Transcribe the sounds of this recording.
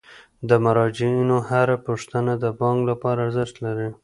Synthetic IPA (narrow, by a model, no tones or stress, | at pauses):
d̪əmaɾɑd͡ʒiinohaɾapuʂt̪ənad̪əbɑŋɡlapɑɾaɾzɪʃt̪laɾi